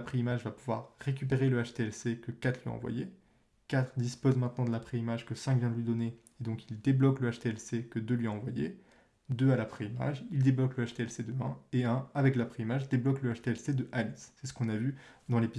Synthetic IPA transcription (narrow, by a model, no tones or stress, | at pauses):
apχeimaʒvapuvwa̰ʁːekʲyp̬eʁeləaʃt̪eɛlsekəkat̪χlɥiɑ̰̃vwa̰je | kat̪χd̪ispozmɛ̃t̪nɑ̃d̪əlapχeimaʒkəsɛ̃kvjɛ̃d̪əlɥid̪ɔne | ed̪ɔ̃kild̪eblɔkləaʃt̪eɛlsekəd̪ølɥiɑ̃vwa̰jḛ | d̪øalapχeima̰ʒild̪eblɔkləaʃt̪eɛlsed̪əɛ̰̃eɛ̃avɛklapχeimaʒd̪eblɔkləaʃt̪eɛlsed̪əʔalisːɛsə̥kɔ̃navyd̪ɑ̃lepi